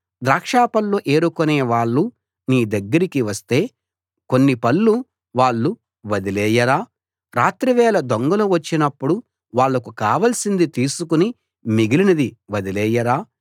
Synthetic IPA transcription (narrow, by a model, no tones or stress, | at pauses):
d̪ɾaːkʂaːpɐlːoʔe̞ːɾukoneːʋaːɭːu | niːd̪ɐɡːɐɾikiʋɐst̪e̞ː | ko̞nːipɐlːu | ʋaːɭːu | ʋɐd̪ilɛːjɐɾaː | ɾaːt̪ɾiʋɛːlɐd̪oŋɡɐloʋɐt͡ʃːinɐpːuɽu | ʋaːɭːɐkukaːʋɐlsind̪it̪iːsukuni | miɡilinɐd̪iʋɐd̪ilɛːjɐɾaː